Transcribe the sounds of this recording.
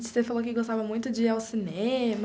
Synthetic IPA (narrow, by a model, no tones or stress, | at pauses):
t͡ʃɪ̥sefalokɪɡost̪avɐmũj̃t̪ʊd͡ʒɪawsinẽm